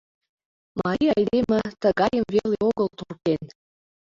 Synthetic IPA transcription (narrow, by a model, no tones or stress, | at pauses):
mɑɾiɑjlemɘt̪ə̆ɣɑjəmvelʲeoɣɤ̆lt̪urken